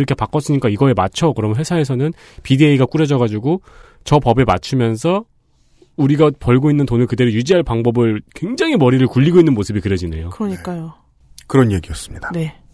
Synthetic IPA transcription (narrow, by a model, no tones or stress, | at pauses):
ɾʌkʰe̞pak͈ʌs͈ɯɲik͈aiɡʌe̞mat͡ɕʰʌkɯɾʌmnɦwesʰae̞sʰʌnɯn | pidieiɡak͈uɾed͡ʑʌɣad͡ʑuɡo | t͡ɕʌpʌbe̞mat͡ɕʰɯmjʌnsʰʌ | uɾiɡapʌɭɡoinːɯntonɯɭkɯde̞ɾojud͡ʑiɦaɭpaŋbʌbɯɭkwe̞ŋd͡ʑaŋimʌɾiɾɯɭkuʎːiɡoinːɯnmosʰɯbikɯɾed͡ʑine̞̰jokɯɾʌɲik͈ajo | kɯɾʌnjeɡiʌs͈ɯmɲid̥ḁne̞